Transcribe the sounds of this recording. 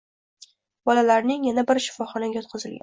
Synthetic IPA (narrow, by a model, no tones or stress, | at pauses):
bɒlalaɾnɪŋjanabɪɾʃɪ̥fɒχɒnaɡʲajɒt̪̚qʰɨzɪlɡʲa̰n